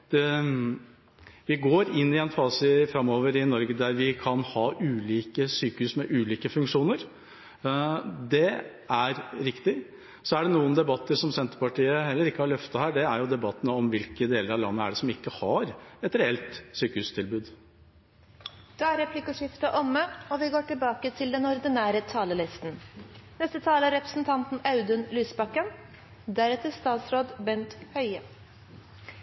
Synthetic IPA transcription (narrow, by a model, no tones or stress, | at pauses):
d̪̥ɛ | ʋɪɡoːɾɪnːɪɛnfɑːsəfɾɑmːoːʋəɾɪnɔɾɡəd̪æɾʋɪkʰɑnhɑːʔʉːliːkəsyːkəhʉsmɛʔʉːliːkəfʉŋkʂuːnəɾ | d̪ɛ | æɾɾɪkt̪ɪ | sɔæɖɛnuːənd̪ɛbɑt̪ːəɾʂɔmsɛnt̪ə̥ɾpɑʈiːəhɛlːəɾɪkːəhɑɭœft̪ɑhæːɖɛæɾjʊd̪ɛbɑt̪ːənəɔmʋɪlkəd̪eːləɾɑʋlɑ̰nːəæ̰ɖɛsɔmɪkːəhɑɾɛt̪ɾɛɛlt̪syːkəʉst̪ʰɪlbʉːd̪ | d̪̥ɛæɾɛpʰlɪkəʂɪft̪ɑʔɔmːəɔʋɪɡoːʈɪlbɑːkət̪ʰɪld̪ɛnɔɾd̪ɪnæːɾət̪ʰɑːləlɪst̪n̩nɛst̪ət̪ʰɑːləæɾɛpɾəsnt̪ʰɑnt̪n̩ɑʉd̪ʉnlyːsbɑkːən | d̪æɾɛt̪əst̪ɑːt̪sɾoːd̪bɛnt̪hœʏə